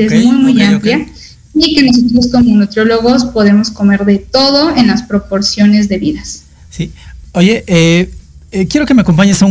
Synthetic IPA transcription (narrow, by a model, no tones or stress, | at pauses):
ezmujmujamplja | ike̞no̞s̬ot̪ɾo̞sko̞monut̪ɾjo̞lo̞ɣo̞spo̞ðe̞mo̞sko̞me̞ɾðe̞t̪o̞ðo̞enlaspɾo̞po̞ɾsjo̞ne̞zðe̞βiðas | sioʝeʔe | kjeɾo̞kemeako̞mp̬aɲesau